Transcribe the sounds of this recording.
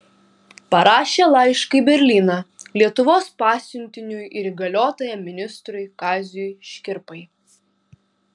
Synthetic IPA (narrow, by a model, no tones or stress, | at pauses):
pɐɾɑːʃʲeːlˠɐɪʃkɐibʲɛɾʲlʲiːnɑlʲiɛt̪ʊʋoːspɑːsʲʊnʲt̪ʲɪnʲʊjɪɾiɡɐlʲoːt̪oːjɛmmʲɪnʲɪst̪ɾʊjkɑːzʲjʊjʃʲkʲɪɾpɐɪ